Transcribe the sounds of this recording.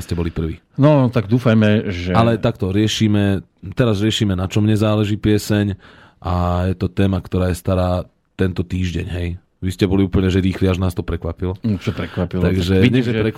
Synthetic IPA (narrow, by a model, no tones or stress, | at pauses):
scɛbɔlipr̩ʋḭː | nɔt̪aɡd̪uːfajmɛʒɛalɛt̪akt̪ɔɾɪɛʃiːmɛ | t̪ɛɾazɾɪɛʃiːmɛnat͡ʃɔmɲɛzaːlɛʒiːpɪɛsɛɲ | ʔajɛt̪ɔt̪ɛːmakt̪ɔɾaːjɛst̪aɾaː | t̪ɛnt̪ɔt̪iːʒɟɛ̰ɲɦɛj | ʋiscɛbɔliuːpəɲɛʒɛɾiːxliaʒnaːst̪ɔpɾɛkʋapilɔt͡ʃɔpɾɛkʋapiltaɡʒɛɲɛʒɛpɾɛk